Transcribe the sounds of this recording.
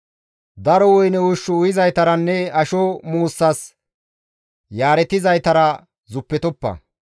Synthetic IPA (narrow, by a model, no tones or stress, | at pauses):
d̪ɐɾɔwɔjnɛʊʃːɔʊjɪzɐjt̪ɐɾɐnːɛɐʃɔmuːsːɐs | jaːɾɛt̪ɪzɐjt̪ɐɾɐ | zʊpːɛt̪ɔpːɐ̰